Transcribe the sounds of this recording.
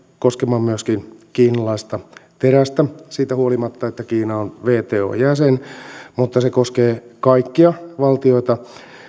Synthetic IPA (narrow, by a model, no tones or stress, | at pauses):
koskemɑmmyøskinkiːnɑlɑist̪ɑt̪eræst̪æsiːt̪æhuolimɑt̪ːɑet̪ːækiːnɑonʋeːt̪eːo̰ːjæsenmut̪ːɑsekoskeːkɑikːiɑʋɑlt̪io̞it̪ɑ